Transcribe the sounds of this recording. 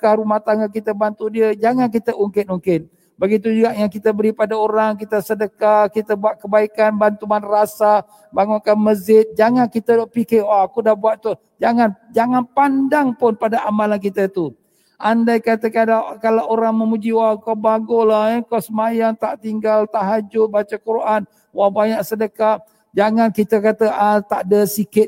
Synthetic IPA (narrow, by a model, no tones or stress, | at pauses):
kaɾumaht̪aŋɡakit̪əbant̪udiəd͡ʒaŋank̬it̪əʔuŋkɪt̪̚muŋkɪt̪̚ | bəɡit̪̬ud͡ʒuɡaʔjaŋkit̪əbəɾipadaoɾaŋkit̪əsədəkakit̪əbuaʔ̪̚kəbaikanbant̪umanrasa | baŋʊnkanməzɪt̪̚d͡ʒaŋankit̪əpikewaːkudahbuat̪t̪u | d͡ʒaŋand͡ʒaŋanpandaŋpʊnpadaʔamalank̬it̪ət̪u | ʔandajkat̪əkadakalaʔoɾaŋməmud͡ʒiwakawbaɡolakawsəmajaŋt̪aʔt̪iŋɡalt̪aʔɦad͡ʒʊt̪̚bat͡ʃakuɾan | wahbaɲaʔsədəka | d͡ʒaŋankit̪əkat̪əat̪aʔdəsikɪt̪̚